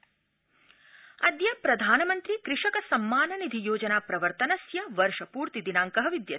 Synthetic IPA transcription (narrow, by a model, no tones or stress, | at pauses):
ɐd̪jɐpɾɐd̪ʱaːnɐmɐnt̪ɾikɾɪʂɐkɐsɐmːaːnɐnid̪ʱijoːd͡ʒɐnaːpɾɐʋɐɾt̪ɐnɐsjɐʋɐɾʂɐpuːɾt̪id̪inaːŋkɐɦɐʋid̪jɐ